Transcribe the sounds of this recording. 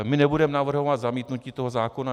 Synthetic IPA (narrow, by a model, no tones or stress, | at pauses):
mɪnɛbudɛmɛnavr̩ɦo̞vat̪zamiːt̪nuciːt̪o̞ɦozaːkona